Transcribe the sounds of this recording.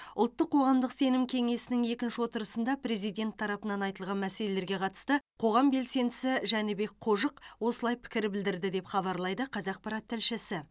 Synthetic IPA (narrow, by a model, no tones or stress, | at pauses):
ʊlˠt̪ːəqʰːo̞ʁɑmd̪əqse̞nɪmkʲʰe̞ŋe̞sɪnɪŋe̞kʲɪnʃɪwo̞t̪əɾəsənd̪ɑpɾe̞zijd̪ʲe̞nt̪ʰːɑɾɑpənɑnɑjt̪əlˠʁɑnmæse̞le̞le̞ɾɡʲeqʰɑt̪ə̥st̪əqʰo̞ʁɑmbe̞lse̞nd̪ɪsɪʒænebe̞k̚qʰo̞ʒəqwo̞səlˠɑjpʰɪ̥kʲɪɾɪbɪld̪ɪɾd̪ɪd̪e̞pχɑβɑɾlˠɑjd̪əqʰɑzɑq̚pɑɾɑt̪ːɪlʃɪsɪ